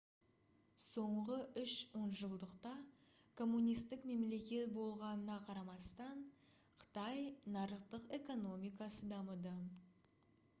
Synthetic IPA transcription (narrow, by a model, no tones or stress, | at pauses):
so̞ɴʁəʏʃwo̞nʒəlˠd̪əqt̪ɑ | kʰo̞mːunijst̪ɪkme̞mle̞kʲe̞t̪bo̞lˠʁɑnənɑqʰɑɾɑmɑst̪ɑɴ | qʰə̥t̪ɑjnɑɾəqt̪əqe̞ko̞no̞mijkɑsəd̪ɑməd̪ə